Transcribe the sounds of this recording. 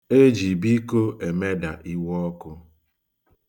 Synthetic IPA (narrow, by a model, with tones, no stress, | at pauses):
e˦d͡ʒi˨bi˦ko˦e˨me˦da̰˨ʔi˦wɔ˦ɔ˦kʊ˦